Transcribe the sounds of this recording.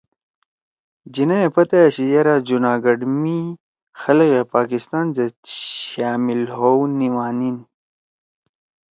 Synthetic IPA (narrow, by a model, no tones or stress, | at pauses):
d͡ʑinaepɐt̪ajeɕijɐɾad͡ʑunaːɡɐɖmi | xɐlɣepaːkist̪aːnzeɕaːmilɦowniwaːnin